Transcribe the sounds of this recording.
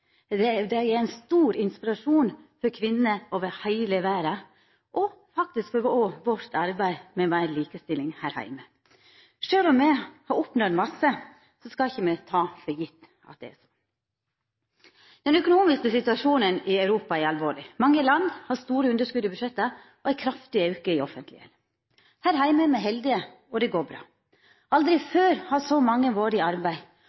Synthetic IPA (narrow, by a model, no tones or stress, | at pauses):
ɛd̪ɛæɾæɪnst̪uːɾɪnspɪɾɑʂuːnfɔɾkʰʋɪnːəoːʋɛhæɪləʋæːɾə | ʔɔ | fɑk̚t̪ɪskfɔɾʋɔʋɔɾt̪ʰɑɾbæɪmɛʋæɪnliːkəst̪ɪlɪŋhæɾhæ̰ɪmə | ʂøːlɔmːɛhɑɾɔpnɔmɑsːə | sɔskɑlɪçːəmɛt̪ʰɑːfɔɾjɪt̪ː | ɑ̰t̪̚d̪ɛ̰ɛ̰sɔ̥ | d̪̥ɛnœkʊnuːmɪskəsɪt̪ʉɑʂuːnənɪɑʉɾuːpɑɛɾɑlʋoːɭɪmɑŋːəlɑnd̪hɑst̪uːɾəʉnd̪əʂkʉd̪əɪbʉd̪ʂɛt̪ːə | ɔæɾkʰɾɑft̪ɪɑʉkəɪɔfənt̪lɪ̰ɛ̰l | hæːɾhæɪməɛmɛɪɦɛld̪ɪə | ɔd̪ɛɡoːɾbɾɑ̰ː | ɑld̪ɾɪføːɾhɑsɔmɑŋːəʋoːɾɪɑɾbæɪ